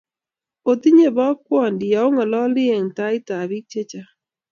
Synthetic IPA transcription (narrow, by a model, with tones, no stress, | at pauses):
o˨t̪i˦ɲe˦˨bɔ˦kwɔ˦˨ndɪ˨a˨˦ʊ˦ŋa˨lɔ˦lɪ˦e˨ŋta˦ɪ˦ta˨bi˦k̚t͡ʃe˦t͡ʃa˦